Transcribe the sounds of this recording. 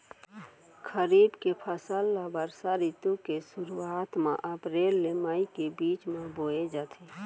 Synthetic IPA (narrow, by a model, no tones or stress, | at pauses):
kʰəɾiːbkepʰəsəlːabəɾsaɾit̪ukesʊɾuaːt̪mã̰ʔəpɾeːlːemaikebiːt͡ʃmẽboːed͡ʒaːt̪ʰeː